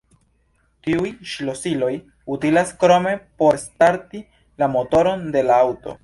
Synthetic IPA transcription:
tiujʃlo̞silo̞j | utilaskɾo̞me̞po̞ɾstaɾti | lamo̞to̞ɾo̞nde̞laawto̞̰

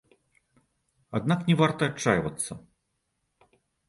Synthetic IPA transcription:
ad̪naknʲɛvart̪ɐːt͡ʂːa̰jvɐ̰t̪sːɐ

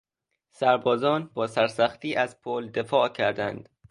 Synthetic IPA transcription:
sæɾbɒːzɒːnbɒːsæɾsæxt̪iːʔæzpʰoːld̪efɒːʔcʰæɾd̪ænd̪̥

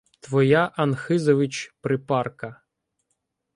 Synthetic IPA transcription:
t̪ʋɔjaʔɐnxɪzɔʋɪt͡ʃpɾɪpɑrkɐ

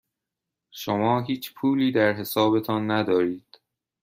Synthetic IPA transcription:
ʃomɒːɦiːt͡ʃʰpʰuːliːd̪æɾɦe̞sɒːbe̞t̪ʰɒnːæd̪ɒːɾiːd̪̥

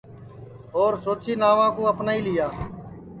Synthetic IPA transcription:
ɦoːɾsoːt͡ʃʰiːnaːʋãːkõːəpnaːiːlɪjaː

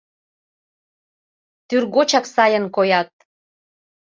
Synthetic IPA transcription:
t̪yrɣot͡ɕɑksɑjənkojɑt̪̚

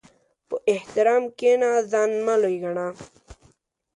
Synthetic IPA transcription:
pəʔeht̪ɪɾaːmkenazanmalojɡaɳa

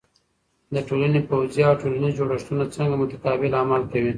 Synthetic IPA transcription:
d̪əʈolanepawzjaːwʈolanizd͡ʒoɽaʂt̪unat͡səŋɡamʊt̪ḁkɑbɪlamalkawi

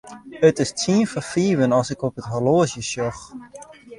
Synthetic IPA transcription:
ətɪstʰiənfəfiːʋənɑlˠsɪkɔpətɦɔloːəsjəʃɔx

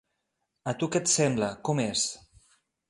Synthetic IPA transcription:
ət̪ukɛt̪sɛmbləkɔmes

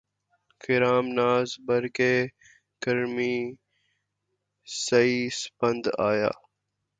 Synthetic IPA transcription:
kʰɪɾaːmnaːzbəɾkeː | kəɾmiː | səiːspənd̪a̰ːja̰ː

